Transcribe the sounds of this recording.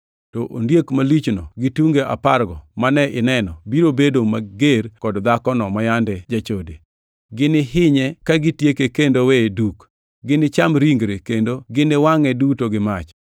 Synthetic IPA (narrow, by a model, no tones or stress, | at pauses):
tɔʔo̰ndjekmalit͡ʃnɔ̰ɡɪtuŋɡeʔa̰parɡɔmanɛʔɪnɛnɔbiɾobedomaɡerkɔdd̪akɔnɔmajandɛd͡ʒat͡ʃode | ɡɪnɪɦɪɲɛkaɡɪtjekekendoweduk | ɡɪnɪt͡ʃamɾiŋɡɾekendoɡɪnɪwaŋɛdutoɡɪmat͡ʃ